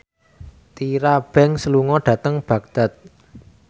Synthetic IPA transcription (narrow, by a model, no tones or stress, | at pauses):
t̪iɾab̥ɛ̤ŋsəluŋɔɖ̥ä̤t̪əŋb̥ä̤k̚d̪̥a̤t̪̚